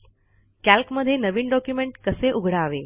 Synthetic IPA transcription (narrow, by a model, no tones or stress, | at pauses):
kælkməd̪ʱːjenəʋiːnɖɔkjumeɳʈkəseʔuɡʱɽaːʋe